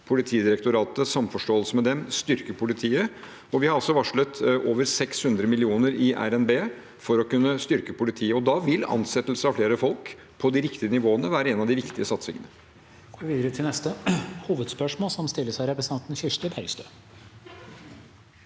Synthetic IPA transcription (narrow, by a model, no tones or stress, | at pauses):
pʰʊlɪt̪ʰiːd̪ɪɾɛkt̪ʊɾɑːt̪əsɑmfɔʂʈoːəlsəmɛd̪ɛmst̪ʏɾkəpʰʊlɪt̪ʰiːə | ɔʋɪhɑɾɔlsɔʋɑʂɭət̪ʔoːʋəɾsɛkshʉnd̪ɾəmɪlɪuːnəɾɪʔæ̰ɾɛnbeː | fɔɾɔkʉnːəst̪ʏɾkəpʰʊlɪt̪ʰiːəɔd̪ɑʋɪlɑ̰nsɛt̪lsəɑfleːɾəfɔlk | pʰɔd̪ɪɾɪkt̪ɪənɪʋoːənəʋæːɾəeːnɑʋd̪ɪʋɪkt̪ɪəsɑt̪sɪ̰ŋə̰nə | ɡ̥oʋɪʋiːd̪əɾət̪ʰɪlnɛst̪əhuːʋəd̪spœʂmoːlsɔmst̪ɪlːəʂæɪɾɛpɾəsɑnt̪n̩çʏʂt̪əbʰæɾɡst̪øː